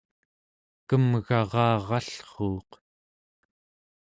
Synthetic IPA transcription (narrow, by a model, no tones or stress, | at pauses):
kəmɣɑʁɑːʁɑɬχoːq